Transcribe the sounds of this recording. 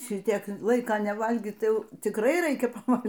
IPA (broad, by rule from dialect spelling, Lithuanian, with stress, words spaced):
ˈʃʲɪtʲiɛk ˈlˠɐɪkɐ nʲɛˈʋɐlʲɡʲiː ˈtɐɪ ˈjɛʊ tʲɪkˈrɐɪ ˈrɐɪkʲɛ pɐˈʋɐlʲ